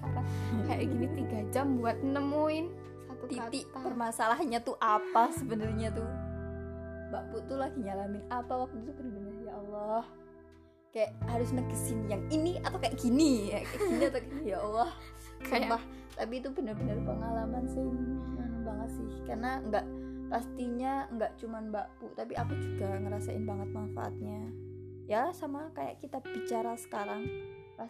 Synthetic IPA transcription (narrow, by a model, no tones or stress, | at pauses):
kajaɡinit̪iɡad͡ʒambuat̪̚nəmuɪn | iiʔpərmasalaɦaɲat̪uʔapasəbənərɲat̪u | baput̪ulahɡiɲalamɪnapawak̚t̪ut̪ubənəbənərjaɔlːɔh | kajaʔhaɾʊsnəɡəsinjaŋiniat̪awkajaʔkiniakajakiniat̪akinijaɔlːɔhkabah | t̪apit̪ubənərbənərpəŋalamansɪanbaŋət̪̚sɪhkarnaŋɡaʔpast̪iɲaŋɡaʔt͡ʃumanbaput̪apiʔapad͡ʒuɡaŋəɾasaʔɪ̰nbaŋət̪̚manfa̰ʔa̰t̪̚ɲajasamakaja̰ʔkit̪ab̥it͡ʃaɾasə̥kaɾaŋ | pa